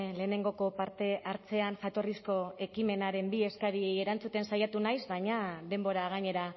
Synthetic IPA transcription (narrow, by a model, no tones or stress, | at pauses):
le̞ːne̞ŋɡo̞ko̞paɾt̪e̞ʔaɾt͡se̞anʝat̪o̞risko̞e̞kime̞naɾe̞mbie̞skaɾieje̞ɾant͡sut̪e̞nsajat̪unajzβaɲaðe̞mbo̞ɾaɣ̞aɲe̞ɾa